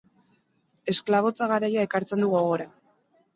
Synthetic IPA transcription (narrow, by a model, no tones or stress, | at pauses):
e̞sklaβ̞o̞t͡saɣaɾajae̞kaɾt͡se̞nd̪uɣo̞ɣ̞o̞ɾa